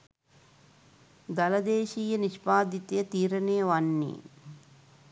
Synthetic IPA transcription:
d̪ɐlɐd̪eːʃiːjɐniʂpaːd̪it̪jɐt̪iːɾɐneɐʋanːḭ

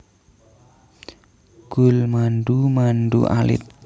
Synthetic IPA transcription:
ɡ̥ulmanɖumanɖṵʔa̰lɪ̰t̪̚

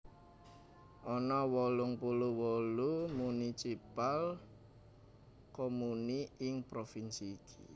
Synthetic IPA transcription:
ʔɔnɔwɔlʊŋpuluwɔlumunisipal | komuniɪŋpɾofinsiːkʰi̥

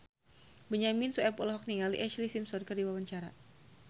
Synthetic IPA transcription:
bəɲaminsuɛpɔlɦɔk̚niŋalḭʔɛʃlisimsɔrkərdiwawaɲt͡ʃaɾa

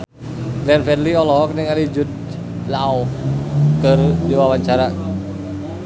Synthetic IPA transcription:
ɡɾɛnfɛdliɔlɔk̚nɛŋalid͡ʒut̪̚ | lau | kərd͡ʒiwawaɲt͡ʃaɾa

